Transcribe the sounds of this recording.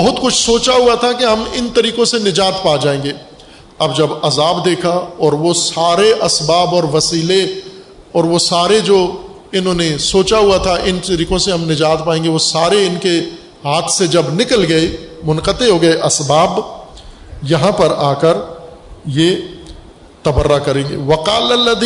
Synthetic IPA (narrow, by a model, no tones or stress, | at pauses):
bɐɦʊt̪kʊt͡ʃʰsoːt͡ʃaɦuat̪ʰakiɦɐmɪnt̪ɐɾiːqõsenɪd͡ʒaːt̪paːd͡ʒaːẽːŋɡeː | ɐbd͡ʒɐbɐzaːbd̪eːkʰaɔːɾʋosaːɾeʔɐsbaːbɔːɾʋɐsiːle | ɔːɾʋosaːɾed͡ʒoː | ɪnɦõːnesoːt͡ʃaɦuat̪ʰaʔɪntɐɾiːkõseɦɐmnɪd͡ʒaːt̪paːẽːŋɡeʋosaːɾeɪnke | ɦaːt̪ʰsed͡ʒɐbnɪkəlɡɐemʊnqət̪eɦoːɡɐeʔɐsbaːb | jɐɦãpɐɾaːkəɾ | je | t̪ɐbəɾːakɐɾẽːŋɡḛːʋɐqaːlɐlːɐd̪